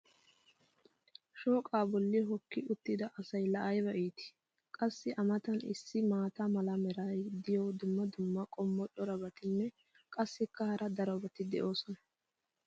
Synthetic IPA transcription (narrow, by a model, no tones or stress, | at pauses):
ʃoːkʼaːbɔlːɪɦɔkːɪʔʊt̪ːɪd̪ɐʔɐsɐjlɐʔɐjbɐʔiːt̪ɪ̥ | kʼɐsːɪʔɐmɐt̪ɐnɪ̰sːɪmaːt̪ɐmɐlɐmɛɾaːjd̪ɪjɔd̪ʊmːɐd̪ʊmːɐkʼɔmːɔᶑɔɾɐbɐt̪ɪnːɛ | kʼɐsːɪkːɐhɐɾɐd̪ɐɾɐbɐt̪ɪd̪ɛ̰ʔo̞ːsɔnɐ̥